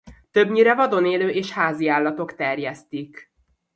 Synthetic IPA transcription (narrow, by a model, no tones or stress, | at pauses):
t̪øbɲiɾɛvɒd̪o̞neːløːʔeːʃhaːziaːlːɒt̪o̞kt̪ɛrjɛst̪ik